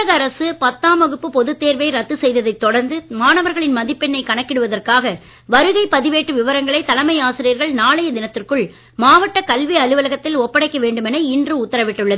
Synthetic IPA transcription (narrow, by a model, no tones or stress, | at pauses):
ɐɣɐɾɐsɯpɐt̪ːaːmɐɣɯpːɯpɔðɯt̪ːeːɾʋeɪɾɐt̪ːɯsɛjðɐðɐɪt̪ːɔɽɐɾnd̪ɯmaːnɐʋɐɾɣɐɭɪnmɐðɪpːɛnːɐɪkɐɳɐkːɪɽɯʋɐðɐrkaːɣɐ | ʋɐɾɯɣɐɪpɐðɪʋeːʈːɯʋɪʋɐɾɐŋɡɐɭɐɪt̪ːɐlɐmɐjaːsɪɾɪjɐɾɣɐɭnaːɭɐjɐd̪ɪnɐt̪ːɪrkɯɭ | maːʋɐʈːɐkɐlʋiɐlɯʋɐlɐɣɐt̪ːɪlɔpːɐɽɐɪkːɐʋeːɳɖɯmɛnɐɪndrɯʊt̪ːɐɾɐʋɪʈːɯɭːɐðɯ